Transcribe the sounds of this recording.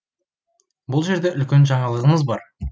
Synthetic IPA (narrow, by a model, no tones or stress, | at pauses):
bʊlˠʒe̞ɾd̪e̞ʔʏlkʲe̞nʒɑɴɑlˠəʁəməzbɑɾ